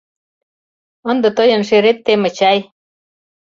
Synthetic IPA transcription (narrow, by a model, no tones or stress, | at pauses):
ə̆nd̪ɤ̆t̪ɤjɤ̆nʃeɾet̪ːemə̆t͡ɕæj